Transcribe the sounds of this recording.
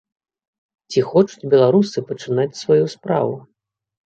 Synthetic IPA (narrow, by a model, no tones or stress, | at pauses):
t͡sʲixɔt͡ʂud͡zʲbʲɛlˠaɾusɨpɐt͡ʂɨnat͡sʲsvajuspɾa̰vu